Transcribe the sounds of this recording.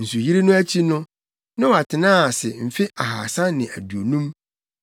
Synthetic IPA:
n̩˨su˨ji˦ɾe˦nʊ̃˦æ˦t͡ɕʰi˦nʊ̃˦ | nɪ̃˦wa˨tʰɪ˨nãː˦a˨sɪ˨m̩˨fɪ˦a˨ɦaː˨sã˦nɪ̃˨æ˨du˨o˨nũ˦m

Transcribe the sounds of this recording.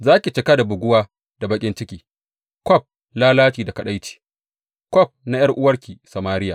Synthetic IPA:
zaː˦kʲi˨t͡ʃɪ˨˦ka˦da˨bʊ˨ɡʷʊ˦waː˦ | d̥a˨bɐ˦kʲʼɪ˦nt͡ʃɪ˦kʲiː˨ | kʷɔ˦˨p̚ | laː˦laː˦t͡ʃiː˨da˨kɐ˨ɗa˦jt͡ʃi̥ː˨ | kʷɔ˦˨p̚na˦jɐ˦rʔʊ˦wɐ˦rkʲiː˨sɐ˨maː˦ɾɪ˦ja˨

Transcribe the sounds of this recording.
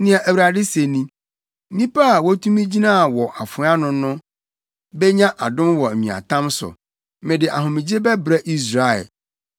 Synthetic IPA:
nɪ̃˦a˨ʔæ˨wu˨ɾa˨dɪ˦se˨nĩ˦ | nĩ˦pa˦a˨wɔ˦tʰũ˦mĩ˦d͡ʑi˦nã˦˨wɔ˨ʔa˨fʊ̃˨˦a˦nʊ̃˦nʊ̃˦ | bɛ˦ɲã˦ʔa˨dʊ̃˦mwɔ˨æ˨ɲĩ˨a̰˨tʰã˦msʊ̰˨ | mɪ̃˨dɪ˨ʔa˨ɦʊ̃˨mɪ̃˨d͡ʑe˦bɛ˦bɾɛ˦ʔi˦s̬ɾa˨ɛ̰˨l

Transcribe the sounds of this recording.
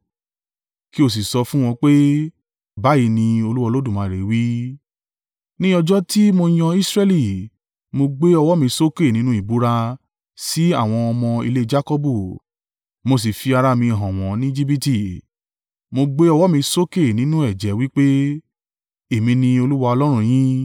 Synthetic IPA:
ki˦o˦˨s̬i˨sɔ˧fũ˦w̃ɔ̃˧k͡pe˦ | ba˨˦ji˧nĩ˧o˧lu˦wa˧lo˦dũ˦˨mã˨˧˨ɾe˨˦wi˦ | nĩ˦ɔ˧d͡ʒɔ˦ti˦mo˧j̃ã˧i˦sɾɛ˦˧li˨ | mo˧ɡ͡be˦ɔ˧wɔ˦mĩ˧so˦ke˦˨nĩ˦nũ˦i˦˨bu˨˦ɾa˧ | si˦a˦˨w̃ɔ̃˧ɔ˧mɔ̃˧ḭ˧le˦d͡ʒa˦ko˦bu˦˨ | mo˧s̬i˨fi˧a˧ɾa˧mĩ˧˨ɦã˨w̃ɔ̃˨˦nĩ˦d͡ʒi˦bi˦ti˦˨ | mo˧ɡ͡be˦ɔ˧wɔ˦mĩ˧so˦ke˦˨nĩ˦nũ˦ɛ˦˨d͡ʒɛ˨˦wi˦k͡pe˦ | e˨mĩ˧nĩ˧o˧lu˦wa˧ɔ˧lɔ˦ɾ̃ũ˦˧j̃ĩ˦

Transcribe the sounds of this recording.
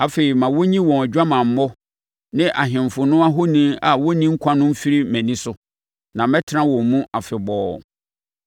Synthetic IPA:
a˨fe˨ɾi˨mã˨wo˦ɲĩ˦wɔ̃˨æ˨d͡ʑᶣa˦mã˨m̩˨˦mɔ˦ | nɪ̃˦ʔa˨ɦɪ̃˨m˨fʊ˨nʊ̃˦a˦ɦo˦nĩ˦a˨wo˦nĩ˦ŋ̩˦kʷʰã˦nʊ̃˦m̩˦fi˦ɾi˦mæ̃˨nĩ˦sʊ˨ | nã˨mɛ˦tʰɪ˦ɾã˦wɔ̃˨m˨mũ˦ʔa˨fɪ˨bɔː˦

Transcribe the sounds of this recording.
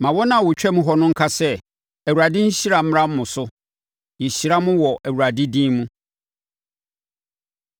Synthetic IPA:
mã˨wɔ˦nã˨wʊ˨t͡ɕᶣɛ˦mũ˦ɦɔ˦nʊ̃˦ŋ̩˦kʰa˦sɛ˦ | æ˨wu˨a˨dɪ̃˦ɲ̩˦ɕi˦ɾa˨m̩˦m˦a˦m̩˦mʊ̃˨sʊ˦ | ji˨ɕi˦ɾa˦mʊ̃˦wɔ˨ʔæ˨wu˨ɾa˨dɪ˦dĩ˦mũ˦

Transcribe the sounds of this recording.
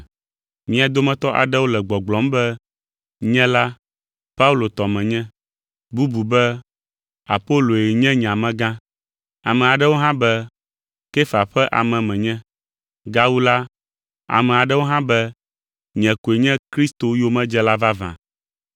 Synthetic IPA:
mĩ˦a˨d̪o˦mɛ̃˦t̪ɔ˦ʔa̰˨ɖɛ˦wo˦lɛ˨ɡ͡bɔ˨ɡ͡blɔ˨˦mbɛ˦ | ɲɛ̃˦la˦ | pa˦u˦˨lo˨t̪ɔ˨mɛ̃˨ɲɛ̃˦ | bu˦bu˨bɛ˦ | a̰˨po˦lo˨je˨ɲɛ̃˦ɲ˨ã˨mɛ̃˦ɡã˦ | a˨mɛ̃˨a˨ɖɛ˦wo˦ɦã˦bɛ˦ | ke˦fa˨ɸɛ˦ʔa̰˨mɛ̃˨mɛ̃˨ɲɛ̃˦ | ɡa˦wu˦la˦ | a̰˨mɛ̃˨a˨ɖɛ˦wo˦ɦã˦bɛ˦ | ɲɛ̃˨ko˨e˨ɲɛ̃˦kɾi˦st̪o˨jo˦mɛ̃˦d͡ʒɛ˦la˦va˦vã̰˨

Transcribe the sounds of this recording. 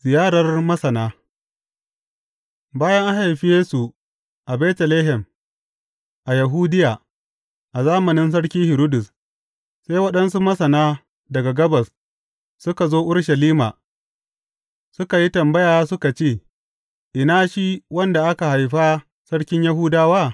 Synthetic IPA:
zɪ˨jaː˦ɽɐ˨rmɐ˦sɐ˨naː˦ | baː˦jɐ˦ŋʔa˦ha˨jɸi˦jeː˦su˨ | ʔa˨bɛː˦tɐ˨leː˦ɦɛ˨m | ʔa˨jɐ˨ɦuː˦dɪ˦jaː˨ | ʔa˨zaː˦mɐ˨nɪ˦ns̬ɐ˦ɽkʲiː˦hɪ˨ɾoː˦dʊ˨s | sa˦jwɐ˦ɗɐ˦nsu˦mɐ˦sɐ˨naː˦ | dɐ˨ɡa˨ɡɐ˦bɐ˨s | sʊ˦ka˨zoː˦ʔʊ˦ɽʃɐ˨liː˦maː˨ | sʊ˦ka˨ji˦tɐ˨mbɐ˦jaː˨˦sʊ˦ka˨t͡ʃeː˦˨ | ʔɪ˨naː˦ʃi˦wɐ˦nda˨ʔa˦ka˨ha˨jɸa˦ | sɐ˦ɽkʲɪ˦ɲjɐ˦ɦʊː˦daː˦waː˦˨

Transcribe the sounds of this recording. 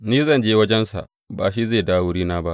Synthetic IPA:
niː˦zɐ˦˨nd͡ʒeː˦wɐ˦d͡ʒɛ˦nsa̰˨ʔ | baː˨ʃi˦zeː˦˨daː˦wʊ˦ɽiː˦naː˦ba˦ʔ

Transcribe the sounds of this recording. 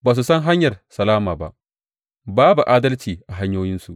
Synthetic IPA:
baː˨s̬u˨sɐ˦ŋɦa˦ɲjɐ˨rsɐ˨laː˦maː˨ba̰˦ʔ | baː˦bu˨ʔaː˦dɐ˦lt͡ʃiː˨ʔa˨ɦa˦ɲjoː˦jɪ˦nsu˨ʔ

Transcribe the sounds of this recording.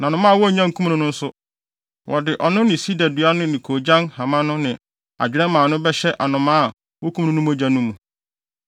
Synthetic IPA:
nã˨nʊ̃˨mã˦˨wɔ˦˨ɲã˦ŋ̩˨kʰũ˦mnʊ̃˨nʊ̃˦n̩˦sʊ˦ | wʔɔ˨dɪ˨ʔɔ˨nʊ̃˦nɪ̃˨si˦da˨du˨˦a˦nʊ̃˦nɪ̃˨kʰoː˨d͡ʑã˦nha˨mã˦nʊ̃˦nɪ̃˨ | a̰˨d͡ʑᶣɪ˨ɾɛ˦mãː˨nʊ̃˦bɛ˦ɕɛ˦ʔa˨nʊ̃˨mã˦˨ | wɔ˦kʰũ˦m˦nʊ̃˦nũ˦m˦o˦d͡ʑã˨nũ˦mũ˨

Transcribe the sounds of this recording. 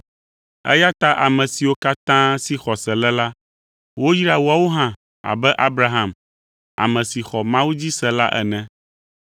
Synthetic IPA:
ɛ̰˦ja˦t̪a˦ʔa˨mɛ̃˨si˨wo˦ka˦t̪ã˦si˨xɔ˨sɛ˨lɛ˦la˦ | wo˦ji˦ɾa˨wu˦a˦˨wo˦ɦã˦˨ | a̰˨bɛ˦ʔa˦bɾa˦ɦã˨m | a̰˨mɛ̃˨si˨xɔ˨mã˦wu˦d͡ʑi˦sɛ˨la̰˦ʔɛ̰˨nɛ̃˨

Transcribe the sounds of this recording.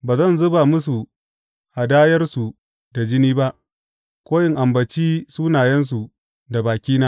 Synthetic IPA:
baː˨zɐ˦˨nzʊ˦ba˨mʊ˦s̬u˨ | ʔa˨daː˦jɐ˦rsu˨ | da˨d͡ʒɪ˦niː˦ba˦ʔ | kʷoː˦jɪ˨ŋʔa˨mbɐ˨t͡ʃiː˦suː˦naː˨jɐ˦ns̬u˨ | da˨baː˨kʲiː˦naː˦

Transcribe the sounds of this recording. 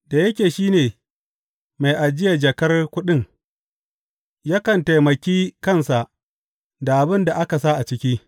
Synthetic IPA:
d̥a˨jɐ˦kʲeː˨ʃiː˦neː˨ | ma˨jʔa˨d͡ʒɪ˦ja˨d͡ʒɐ˨kɐ˦rkʷʊ˦ɗɪ˦ŋ | ja˦kɐ˨nta˨jmɐ˨kʲiː˦kɐ˦nsa˨ʔ | da˨ʔa˨bɪ˦nda˨ʔa˦ka˨sa˦ʔa˨t͡ʃɪ˦kʲiː˦

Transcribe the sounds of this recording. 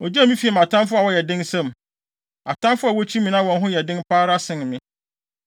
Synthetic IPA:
ɔ˨d͡ʑa˦mĩ˦fi˨a˨ma˨tʰã˦mfʊ˦a˨wɔ˦jɛ˨dɪ̃˦nsɛ̃˦m | a˨tã˦nfʊ˦a˨wɔ˦t͡ɕʰi˦mĩ˨nã˦wɔ̃˨nɦʊ̃˦jɛ˨dɪ̃˦npʰaː˦ɾa˦sɪ̃˦˨nmɪ̃˦

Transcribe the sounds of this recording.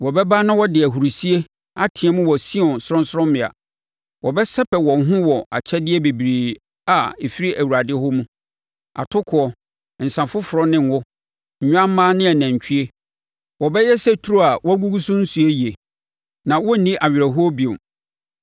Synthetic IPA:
wɔ˨bɛ˦ba˦nã˦wɔ˦dɪ˨æ˨ɦu˨ɾu˨si˦e˦ | a˨tʰɪ̃˨ɛ˦mʊ̃˦wɔ˨sĩ˦ɔ̃˨n˨sʊ˦ɔ̃˦n˦sɾɔ̃˦mɪ̃˨a̰˨ | wɔ˨bɛ˦sɛ˦pʰɛ˨wɔ̃˨n˦ɦʊ̃˦wɔ˨ʔa̰˨t͡ɕʰɛ˦dɪ˦ɛ˦be˨bɾiː˨ | a˨e˨fi˦ɾi˦ʔæ˨wu˨ɾa˨dɪ˦hʊ˦mũ˦ | a̰˨tʰʊ˦kʰʊ˨˦ɔ˨ | n̩˨sã˨fʊ˦fʊ˨ɾɔ˦nɪ̃˦˨n˦wʊ˦ | ɲ̩˨ɲᶣ˦ã˦m˦mãː˦nɪ̃˦ɛ˨nã˨ɲ˨t͡ɕʰᶣi˦e˦ | wɔ˨bɛ˦jɛ˦sɛ˦tʰu˨ɾo˦a˨wɔ˦ɡu˦ɡu˦sũ˦n̩˦su˨e˦ji˨e˨ | nã˨wɔ˦nĩ˦ʔa˨ɥɪ˨ɾa˨ɦʊ˦ɔ˦bi˨ʊ̰̃˨

